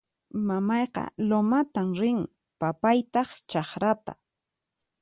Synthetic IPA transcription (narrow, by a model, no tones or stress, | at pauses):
mamɑjqɑ̰lomat̪amɾɪŋ | papajt̪ɑχt͡ʃɑχɾat̪a̰